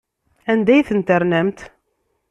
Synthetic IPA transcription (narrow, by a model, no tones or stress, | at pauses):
ænd̪æjθənt̪əɾnæmt̪